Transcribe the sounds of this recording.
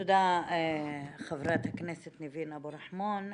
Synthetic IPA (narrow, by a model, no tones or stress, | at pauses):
ud̪a | χavɾat̪hakneset̪nivinabuɾaħmon